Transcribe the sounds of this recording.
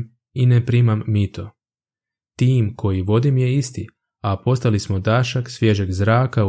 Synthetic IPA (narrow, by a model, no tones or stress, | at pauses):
inepɾimamːit̪o̞ | t̪iːmkʰo̞jiʋo̞d̪imje̞ist̪i | apo̞st̪alismod̪aʃaksʋje̞ʒeɡzɾaːka